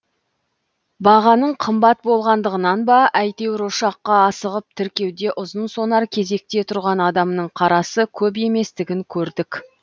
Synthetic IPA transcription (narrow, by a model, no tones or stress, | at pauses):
bɑʁɑnəɴqʰəmbɑt̪̚bo̞lˠʁɑnd̪əʁənɑnbɑʔæjt̪e̞wɾoʃɑqːɑːsəʁəp̚t̪ʰɪɾkʲe̞wd̪e̞ʔʊzənso̞nɑɾkʲʰe̞ze̞k̚t̪e̞t̪ʰʊɾʁɑnɑd̪ɑmnəɴqʰɑɾɑsəkʲʰɵp̬e̞me̞st̪ɪɡʲɪŋkʲʰɵɾd̪ɪkʲ